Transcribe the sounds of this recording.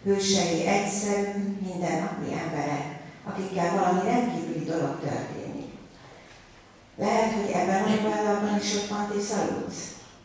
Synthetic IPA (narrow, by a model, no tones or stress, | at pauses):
høːʃɛjiʔɛcsɛɾyːmind̪ɛnːɒpḭʔɛmbɛɾɛkɒkikːɛlvɒlɒmiɾɛnt̪kiːvylid̪o̞lo̞kt̪ø̰rt̪ḛːnḭk | lɛɦɛt̪ho̞ɟɛ̰bːɛnɒvɒjlɒlbɒniʃokfɒnt̪esɒjṵs